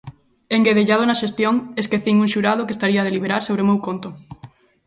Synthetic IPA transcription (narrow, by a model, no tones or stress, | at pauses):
eŋɡeðeʎað̞onaʃest̪joŋeskeθiŋuŋʃuɾað̞ʊkest̪aɾiað̞eliβeɾaɾsoβɾemewkont̪ʊ